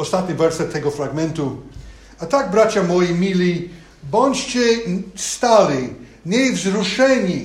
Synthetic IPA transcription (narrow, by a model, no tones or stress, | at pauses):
ɔst̪at̪ɲivɛɾsɛt̪ʰːɛɡɔfɾaɡmɛnt̪u | at̪aɡ̚bɾat͡ʃamɔjimilʲi | bɔ̃nʲt͡ʃt͡ʃɛst̪ali | ɲɛjvzɾuʂɛɲi